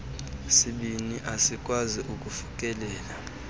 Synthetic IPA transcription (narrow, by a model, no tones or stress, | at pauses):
siɓiniʔasikʼwaziʔukʼufu̥kʼɛlɛːla